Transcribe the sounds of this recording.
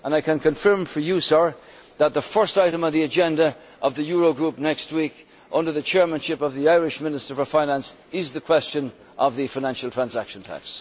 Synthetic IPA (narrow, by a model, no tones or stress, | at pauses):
ʔə̃naɪkʰə̃nkʰə̃ɱfɜ̃˞ɱfə˞jɨsə˞ | ðət̪̚ðəfɜ˞staɪɾə̃mʌvðiɨd͡ʒɛ̃ndə | ʔʌvðɨjʊɹoʊɡɹup̚nɛkst̚wik | ʔʌ̃ndə˞ðɨt͡ʃʰɛɹmə̃nʃɪpʌvðiaɪɹɪʃmɪ̃nɨstə˞fə˞fãɪ̃næ̃ns | ɪzðɨkʰw̥ɛst͡ʃə̃n | ʔʌvðɨfaɪñæ̃nʃl̩ˠtʰɹ̥æ̃nzækʃə̃ntʰæ̰ks